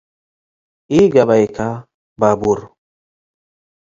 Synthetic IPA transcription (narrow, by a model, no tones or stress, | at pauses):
iɡabajkʰa | babuɾ